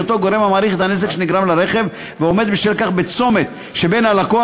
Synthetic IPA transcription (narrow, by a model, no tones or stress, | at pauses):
ot̪oɡoɾemamaːɾiχet̪anez̬ekʃeniɡɾamlaɾeχev | veomed̪biʃvilkaχbet͡so̞met̪ | ʃebenalako